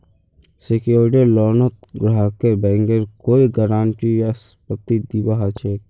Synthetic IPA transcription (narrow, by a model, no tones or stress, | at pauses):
sekjoːɾʈilɔːɾnət̪ɡɾaːkebɛ̃ːŋɡeɾkoːiɡəɾaːɳʈijaspət̪ːid̪ibaɦat͡ʃʰeː